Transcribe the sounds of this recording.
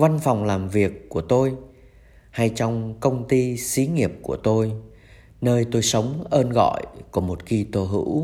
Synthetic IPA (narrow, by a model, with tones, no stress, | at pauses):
va˧nfa˨˩wŋ͡mlaː˨˩mvi˨˩əkːu˧˩ət̪o˧j | ha˧jt͡ɕɔ˧wŋ͡mkə˧wŋ͡mt̪i˧si˨˦ŋi˨˩əp̚ku˧˩ət̪o˧j | nəː˧jt̪o˧jsə˨˦wŋ͡mʔəː˧nɣɔ̰˧˨jkɔ˧˩mo˨˩t̚ki˧t̪o˧ɦɨ̰˧˥w